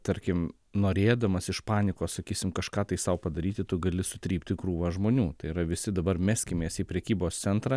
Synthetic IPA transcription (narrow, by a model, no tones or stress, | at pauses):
t̪ɐɾʲkʲɪm | noːɾʲeːd̪ɐmɐsɪʃpɑːnʲɪkoːssɐkʲiːsʲɪmkɐʃkɑːt̪ɐɪsɐʊpɐd̪ɐɾʲiːt̪ʲɪt̪ʊɡɐlʲɪsʊt̪ʲɾʲiːp̚ʲt̪ʲɪkɾuːʋɐʒmoːnʲuːt̪ɐɪɪɾɐʋʲɪsʲɪd̪ɐbɐrmʲɛsʲkʲɪmʲeːsiːpʲɾʲɛkʲiːboːst̪sʲɛnt̪ɾɑ